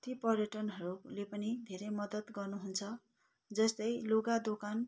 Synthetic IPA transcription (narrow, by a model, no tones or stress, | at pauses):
t̪ipʌrjʌʈʌnɦʌɾulepʌnid̪ʱeɾʌjmʌd̪ʌt̪ɡʌrnuɦunt͡sʰʌ | d͡zʌst̪ʌjloɡad̪okan